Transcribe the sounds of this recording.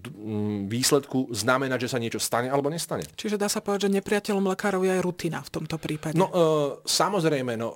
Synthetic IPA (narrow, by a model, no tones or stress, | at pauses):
ʋiːslɛt̪kuznamɛnaɟʒɛsaɲɪɛt͡ʃɔst̪aɲɛalɛbɔɲɛst̪aɲɛ̰t͡ʃiʒɛd̪aːsapɔʋɛd̪aʒɛɲɛpɾɪacɛlɔmlɛkaːɾɔʊjɛajɾut̪iːna̰ft̪ɔmt̪ɔpɾiːpaɟnɛnɔsamɔzɾɛjmɛnɔ